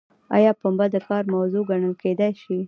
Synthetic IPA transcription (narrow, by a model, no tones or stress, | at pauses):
ɑ̰jɑpəmbad̪əkɑɾmawzoɡaɳəlked̪ajʃi